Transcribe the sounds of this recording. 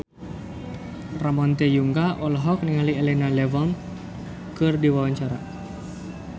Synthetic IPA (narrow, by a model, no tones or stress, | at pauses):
ramɔnt̪ejuŋɡaʔɔlɔɦɔk̚niŋalielenalɛvɔn | kɨrdiwawaɲt͡ʃaɾa